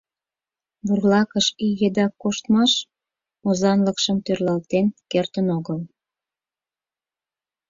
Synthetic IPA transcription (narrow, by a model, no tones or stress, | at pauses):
βurlɑkəʃijed̪ɑkːoʃt̪mɑʃ | ozɑnləkʃəmt̪ørlɑlt̪enkert̪ənoɣəl